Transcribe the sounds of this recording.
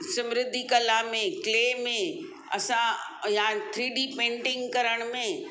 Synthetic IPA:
sə̃mɾɪd̪ʱːikəlamẽkleːmẽ | ɐ̰sãjãt̪ʰɾiːɖipẽːɳʈɪ̃ŋɡkɐɾəɽ̃mẽ

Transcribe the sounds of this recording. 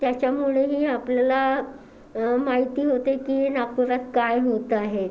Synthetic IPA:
t̪jat͡ɕjamuɭeɦiːapljala | maɦit̪iːɦot̪ekiːnak̚puɾat̪kajɦot̪aɦe

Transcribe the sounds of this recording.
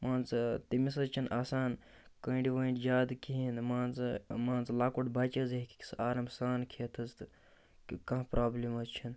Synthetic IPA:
maːnt͡st̪imis̬ɐzt͡ʃʰinʔaːsaːn | kəːɖiʋɐiɳʈd͡ʒaːd̪kiɦinmaːnt͡smaːnt͡slaːkuʈbɐt͡ʃəzeɦkʲi̥ki̥saːɾɐmsaːnkʰeːt̪ʰɐzt̪ɨ | kɐ̃ɦpɾaːblʲimɐzt͡ʃʰin

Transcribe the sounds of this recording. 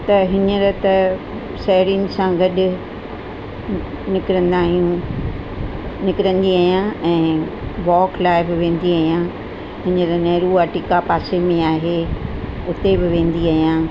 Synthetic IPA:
t̪ɐɦɪnəɾɐt̪ɐ | sɛːɾinɪ̆sãɡɐɗʊ̆ | nɪkɾə̃nd̪aːɦijũ | nɪkɪɾə̃nd̪iaːɦijãɛ̃ːʋɔːklaːɪbɪʋẽːn̆d̪iaːɦijã | ɦɪnəɾɐnɐːɾuaːʈɪkapaːsemẽaːɦe | ʊt̪ebɪʋẽːn̆d̪iaːɦijãː

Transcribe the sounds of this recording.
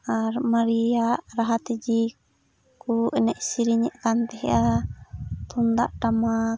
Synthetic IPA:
amaɾiaʔɾaɦat̪ɛd͡ʒi | kuinaʔisiɾiɲɛʔkant̪ɛɦɛa | t̪und̪aʔʈama

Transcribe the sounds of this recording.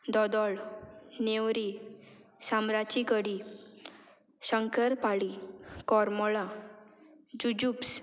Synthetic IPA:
d̪ɔd̪ɔɭnewɾi | samɾat͡ɕikəɽi | ɕəŋkəɾpaɭikɔɾmɔɭa | d͡ʑud͡ʑups

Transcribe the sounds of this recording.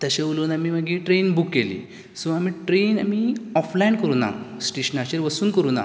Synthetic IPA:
t̪əɕauloːnamiːməɡiːʈɾenbukːelḭː | suʋamiːʈɾena̰miɔflaɳɖkəɾuːna̰sʈeɕnaɕeɾʋəsuːnkəɾuːna̰

